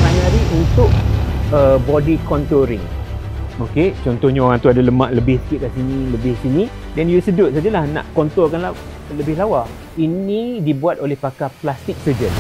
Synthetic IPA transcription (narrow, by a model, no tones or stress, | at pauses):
manaɾiunt̪ʊk̚əbɔdikɔnt̪oɾɪ̰ŋ | oket͡ʃɔnt̪ɔhɲaoɾaŋt̪uadaləmãʔləbɪhsə̥kɪt̪̚kasinĩləbɪhsinĩ | danjusədʊt̪̚sad͡ʒalahnã̰ʔkɔnt̪ɔrkanla | ləbɪhlawa | inĩdibuat̪̚olɛhpakaplast̪ɪk̚səd͡ʒən